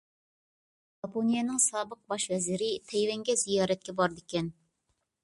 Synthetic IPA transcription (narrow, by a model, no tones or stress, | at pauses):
ʒɑponijɛnɨŋsɑːbəq̚bɑʃvɛzɪɾɪt̪ʰɛjwɛŋɡʲɛzijɑːɾɛt̪̚kʲɛbɑɾd̪ɪkʲɛn